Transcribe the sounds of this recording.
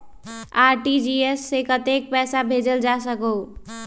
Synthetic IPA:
aɾʈid͡ʒiesːekət̪ek̚pɛsabʱed͡ʒəld͡ʒasəkoʊ

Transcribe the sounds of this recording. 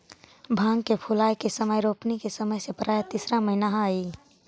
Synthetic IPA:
bʱãŋɡkepʰulajkesəməjɾopnikesəməjsepəɾaet̪isɾaməɪnaɦãi

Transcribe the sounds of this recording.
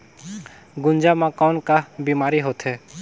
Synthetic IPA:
ɡʊ̃nd͡ʒamãkɔːnkabiːmaːɾiɦoːt̪ʰɦɛː

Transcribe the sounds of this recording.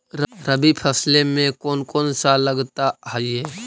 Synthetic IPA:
ɾɾəbipʰəslemẽkoːnkoːnsaləɡt̪aaieː

